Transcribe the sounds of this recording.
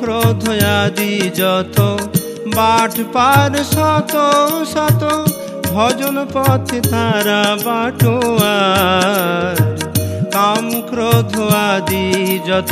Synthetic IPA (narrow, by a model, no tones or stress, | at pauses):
kɾod̪ʱɔjad̪id͡ʒɔt̪ʰo | baʈʰpaɾsɔt̪osat̪o | bʱɔd͡ʒɔnɔpɔt̪ʰit̪ʰaɾabaʈʰowa | ɾkamkɾod̪ʱɔwad̪id͡ʒɔt̪ʰ